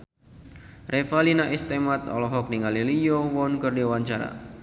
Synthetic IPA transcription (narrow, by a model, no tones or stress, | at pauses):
rʔefalinaʔist̪emat̪̚ɔ̰lɔɦɔk̚niŋalilijowɔnkərdewaɲt͡ʃaɾa̰